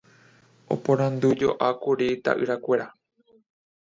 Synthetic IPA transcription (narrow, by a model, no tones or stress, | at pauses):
o̰põɾ̃ãnd̪ud͡ʒoʔakuɾit̪a̰ʔɨɾakʷe̞ɾa